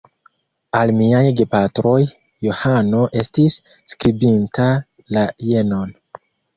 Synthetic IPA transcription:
almiajɡe̞patɾo̞jː | ohano̞ʔe̞stisː | kɾibintʰa | laje̞no̞n

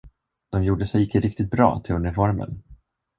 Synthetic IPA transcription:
d̪̥ɔmjuːɖəsɛjɪkːəɾɪk̚t̪ɪt̪̚bɾɑ̰ːt̪ʰɪlɵnəfɔɾmə̰n

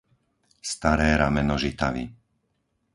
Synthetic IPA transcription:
st̪aɾɛːɾamɛnɔʒit̪aʋḭ

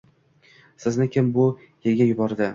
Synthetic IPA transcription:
sɪznɪkʲʰɪmbʊ | jeɾɡʲajʊbɒɾd̪ɪ

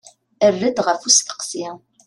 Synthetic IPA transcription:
ərːəd̪ʁəfusθə̥qsi

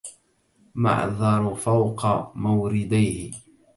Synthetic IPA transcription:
ma̰ʕðˤɑɾˤfawqɑmawɾɪd̪ajhɪ

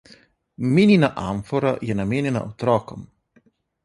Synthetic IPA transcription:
mininaʔa̰ɱfoɾajɛnamenena̰ʔot̪ɾɔkɔm

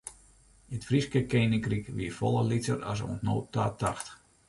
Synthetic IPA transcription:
ətfriskəkeːnɪŋkrikʋiəfɔlˠəlit͡səra̰s̬o̰əntno̰ːtaːtʰa̰xt

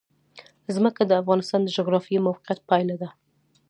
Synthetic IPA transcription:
zməkad̪əafɣɑnɪst̪ɑnd̪əd͡ʒʊɣɾɑfijemawqijat̪̚pɑjlad̪a

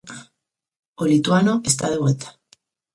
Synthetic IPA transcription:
olit̪wanoest̪aðeβ̞welt̪ḁ

